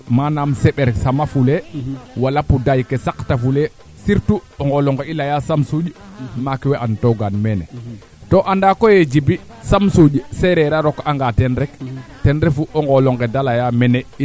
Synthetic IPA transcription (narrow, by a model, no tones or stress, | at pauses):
manamsɛɓɛɾsamafulewalapudajkesaktafule | siɾtuɔŋɡɔlɔŋɡeilajasamsuɟ | makiweʔantoɡanmɛnɛ̰ | toʔandakojed͡ʒibi | samsuɟsɛɾɛɾaɾɔkaŋɡatɛnɾɛktɛnɾɛfuʔɔŋɡɔlɔŋɡedalajamɛnɛ